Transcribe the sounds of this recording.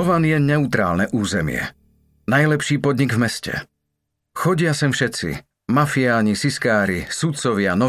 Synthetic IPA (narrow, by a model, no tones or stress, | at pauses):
ɔʋanjɛɲɛut̪ɾa̰ːlnɛʔuːzɛmɪɛ̰ | najlɛpʃiːpɔd̪ɲiɡvmɛscɛ̰ | xɔɟɪasɛmfʃɛt͡sḭ | mafiaːɲisiskaːɾisut̪t͡sɔʋɪanɔ